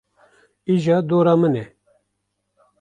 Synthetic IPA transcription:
iʒɑːd̪oːɾɑːmɨnɛ

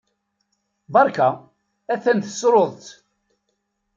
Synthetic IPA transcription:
bɑɾˤka | æθænθə̥sɾoðˤt̪

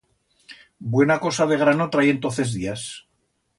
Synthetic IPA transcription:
bwe̞nako̞saðe̞ɣ̞ɾano̞t̪ɾajent̪o̞nθe̞zðias

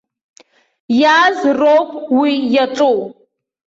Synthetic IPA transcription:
jaːzrowpʼwijaʈ͡ʂʼow

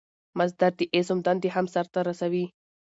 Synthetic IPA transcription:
mazd̪aɾt̪iʔesʊmd̪and̪iɦamsaɾt̪aɾasawi

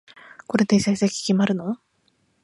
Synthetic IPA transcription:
koɾet̪esaisakʲi̥kʲimaɾɯno

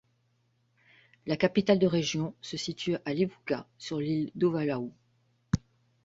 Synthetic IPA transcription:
lakapit̪ald̪əʁeʒjɔ̃səsit̪ʰyalebukasyʁlild̪ovalau

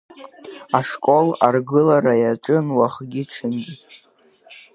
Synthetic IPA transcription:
aʂkʼo̞larɡɨlaɾajaʈ͡ʂʼɨnwaχɡʲiʈ͡ʂʰɨnɡʲi

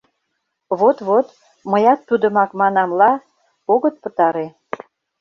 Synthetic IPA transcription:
βot̪βot̪ | məjɑt̪ːud̪ə̆mɑkmɑnɑmlɑ | oɣət̪̚pə̆t̪ɑɾe

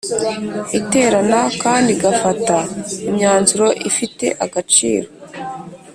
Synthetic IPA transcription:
ite̞ːɾanakaːndiɡafataimɲaːnzuɾo̞ʔifite̞̰ʔaɡat͡ʃḭːɾo̞

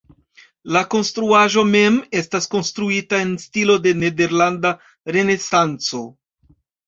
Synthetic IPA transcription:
lako̞nstɾuaʒo̞me̞me̞stasko̞nstɾuitae̞nstilo̞de̞ne̞de̞ɾlanda | ɾe̞ne̞sant͡so̞

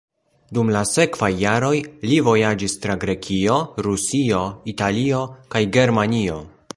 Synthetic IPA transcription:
dumlase̞kvajːaɾo̞jlivo̞jad͡ʒistɾaɡɾe̞kʰio̞ɾusio̞italio̞kajɡe̞ɾmanio̞

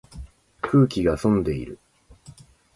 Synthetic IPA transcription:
kʰɯ̟ːkʲiɡasõ̞nd̪e̞ḭɾɯ̟

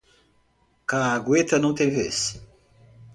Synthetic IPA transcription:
kaːɡwet̪ɐnɐ̃w̃t̪ẽj̃ves

